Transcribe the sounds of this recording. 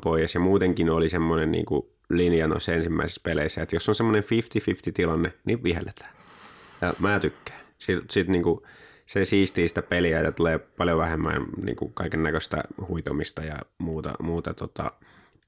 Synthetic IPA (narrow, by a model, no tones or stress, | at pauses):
poijɑsjɑmuːt̪eŋkinolisemːonennḭːŋkṵ | linjɑno̰isːensimːæ̰isi̥speleisːæet̪josːonsemːoneɱfift̪ifift̪it̪ilɑnːeniʋihḛlːet̪æ̥ːjɑmæːt̪ykːæ̥ːsilsit̪niːŋku | sesiːst̪iːsi̥t̪æpelijæjɑt̪uleːpɑljoʋæhemːæ̰ːnnḭːŋkṵkɑikenːækøst̪æ̰huit̪omist̪ɑjɑ̰muːt̪ɑ̰muːt̪ɑt̪ot̪ɑ̰